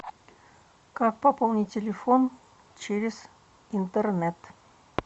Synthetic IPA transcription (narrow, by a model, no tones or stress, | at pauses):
kak̚pɐpolˠnʲitʲːɪlʲɪfon | t͡ɕeɾʲɪz̥ | int̪ərnʲɛt̪